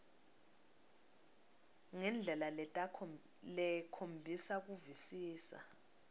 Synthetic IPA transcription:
ŋɛnd͡ɮʱɛlalɛ | lɛkʰombʱisak̬uvisiːsa̰

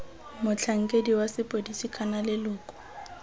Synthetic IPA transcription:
mʊt͡ɬʰaŋ̩kʼediwasɪpʼodisikʼanalɪlʊːkʼɔ̥

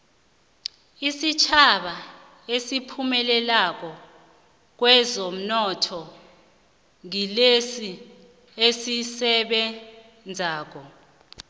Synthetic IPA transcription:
isit͡ʃʰaɓa | esipʰumɛlɛlak̬ɔ | k̬wɛzom̩nɔtʰɔ | ŋilesi | esisɛɓɛ | nd͡zʱaːk̬ɔ

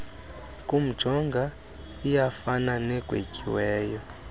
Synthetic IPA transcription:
kʼum̩d̥ʒ̥ʱɔŋɡʱa | ijafananɛɡ̥ʱwḛcʼiwɛːjɔ

